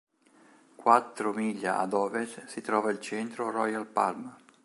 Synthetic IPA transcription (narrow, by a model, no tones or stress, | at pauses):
kwat̪ːɾʊmiʎːa̰a̰d̪ɔːvessit̪ɾɔːvailt͡ʃɛnt̪ɾorɔjalpa̰lma